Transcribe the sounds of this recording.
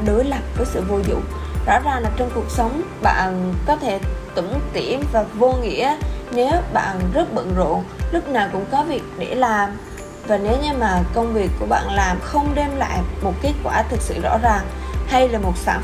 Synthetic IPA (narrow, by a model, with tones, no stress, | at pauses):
ɗo˨˦jla˨˩p̚vəː˨˦jsɨ̰˧˨vo˧zʊ̰˧˨ŋ͡mzɔ̰˧˥zaː˨˩ŋlaː˨˩t͡ɕɔ˧wŋ͡mku˨˩ək̚sə˨˦wŋ͡m | ɓa̰ː˧˨nkɔ˨˦t̪ʰe˧˩t̪ɨ˧˩ŋ͡mt̪i˧˩əmvaː˨˩vo˧ŋḭ˧˥əne˨˦wɓa̰ː˧˨nzə˦˥t̚ɓə̰˧˨nzo̰˧˨lʊ˦˥k͡p̚naː˨˩wkʊ̰˧˥ŋ͡mkɔ˨˦vi˨˩ək̚ɗe˧˩laː˨˩m | vaː˨˩ne˨˦wɲɨ˧maː˨˩kə˧wŋ͡mvi˨˩əkːu˧˩əɓa̰ː˧˨nlaː˨˩mxə˧wŋ͡mɗɛ˧mla̰ː˧˨jmo˨˩t̚ke˦˥t̚kwaː˧˩t̪ʰɨ˨˩k̚sɨ̰˧˨zɔ̰˧˥zaː˨˩ŋha˧jlaː˨˩mo˨˩t̚sa̰ː˧˩